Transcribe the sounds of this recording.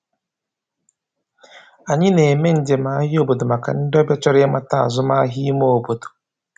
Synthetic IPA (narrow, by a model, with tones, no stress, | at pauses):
a˨ɲɪ˦ne˨e˨me˦n̩˨˦d͡ʒe˨ma˨˦ɦɪ˦o˦bo˨do˨ma˨ka̰˨n̩˦dɔ˦bja˦t͡ʃɔ˦ɾɪ˦e˦ma˦ta˦a̰˨zʊ˦ma˦a˦ɦi˦mo˦o˨bo˨do̥˨